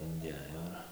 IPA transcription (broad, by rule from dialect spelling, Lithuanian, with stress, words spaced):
ɪnʲˈdʲeːjoː ɪr